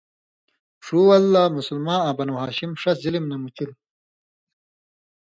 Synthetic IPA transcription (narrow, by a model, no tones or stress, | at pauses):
ʂuːɐlːaːmusulmaːãːbɐnuɦaːɕimʂɐzilimnɐmut͡ɕil